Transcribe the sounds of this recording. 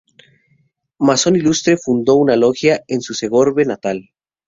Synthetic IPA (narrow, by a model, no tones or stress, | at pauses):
maso̞nilust̪ɾe̞fund̪o̞unalo̞xjaensuse̞ɣo̞ɾβe̞nat̪al